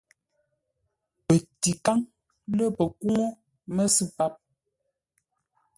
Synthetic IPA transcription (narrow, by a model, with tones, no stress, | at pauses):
pə˨ti˨ka˦ŋ | lə˦pə˨ku˦ŋo˦ | mə˦si˦pa˦p̚